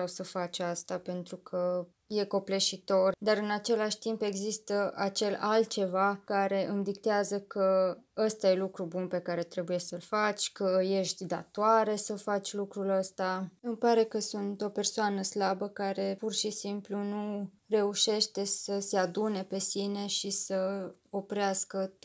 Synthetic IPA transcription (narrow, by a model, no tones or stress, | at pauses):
awsəfat͡ʃast̪ape̞nt̪ɾukʰə | je̞ko̞pleʃit̪o̞rd̪aɾɨnat͡ʃe̞laʃʲt̪impe̞ɡzist̪əʔat͡ʃe̞lalt̪̚t͡ʃe̞vakaɾe̞ʔɨmd̪ikt̪eazəkʰəəst̪aje̞lukɾubunpe̞kaɾe̞t̪ɾe̞buje̞səlfat͡ʃʲkəje̞ʃt̪ʲd̪a̰t̪oaɾe̞səfat͡ʃʲlukɾuləst̪aɨmpaɾe̞kəsunt̪o̞pe̞rsoanəslabəkaɾe̞purʃisimplunu | re̞uʃe̞ʃt̪e̞səse̞ad̪une̞pe̞sine̞ʃisəo̞pɾeaskə